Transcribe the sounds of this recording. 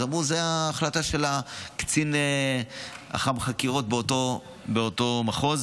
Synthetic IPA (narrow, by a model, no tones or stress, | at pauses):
zamʁuzeaːχlataʃe̞lakt͡sine | a̰χamχakiʁo̞t̚beoto | beoto̞maχo̞z